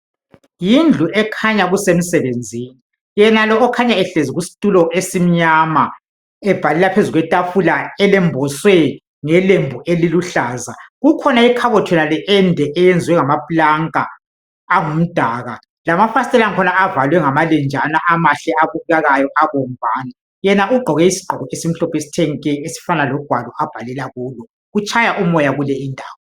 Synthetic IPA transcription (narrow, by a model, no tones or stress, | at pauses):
jind͡ɮʱuʔɛkʰaɲaɣusem̩sɛβend͡zʱiːni | jɛnalɔːkʰaɲaɛɬeziɣusi̥tʼulɔʔesim̩ɲama | ɛb̥ʱalɛlapʰezuɣwɛtʼafulaɛlɛmbʱɔswɛ | ŋɛlembʱuʔeliluɬaːzaɣukʰɔnaikʰaβɔtʰwɛnalɛʔɛndʱɛʔɛjend͡zʱiwɛŋamapʼulaŋkʼa | aŋum̩d̥ʱaːɣa | lamafasitʼɛlaŋkʰɔnaavalwɛŋamalɛnd͡ʒʱanaʔamaɬɛaβuɣaɣajɔʔaβɔm̩bʱaːna | jɛnaʔuɡ͡ǃʱɔɣɛisi̥ɡ͡ǃʱɔɣɔesim̩ɬɔpʰɔesi̥tʰɛŋikʼɛesi̥fanalɔɡ̥ʱwalɔʔab̥ʱalɛlaɣuːlɔ | ɣut͡ʃʼʰajaʔumɔjaɣulɛindʱa̰ːwɔ